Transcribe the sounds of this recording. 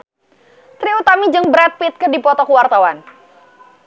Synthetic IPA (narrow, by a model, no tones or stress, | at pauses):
t̪ɾiut̪amid͡ʒɨŋbəɾat̪̚pɪt̪̚kərdipɔt̪ɔkuwart̪awan